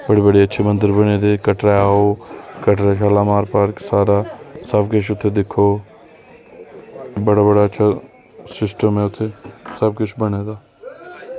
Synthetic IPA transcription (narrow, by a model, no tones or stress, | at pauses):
bəɽiːbəɽiːətːʃʰeːmə̃nd̪əɾbəneːd̪eːkəʈɾaaːoːkəʈɾaːʃaːlaːmaːɾpaːɾksaːɾaːsəbkʊt͡ʃʰʊt̪ʰːeːd̪ɪkʰːoː | bəɽaːbəɽaːətːʃʰaː | sɪsʈəmɦɛːʊt̪ʰːeːsəb̚kʊt͡ʃʰbəneːd̪aː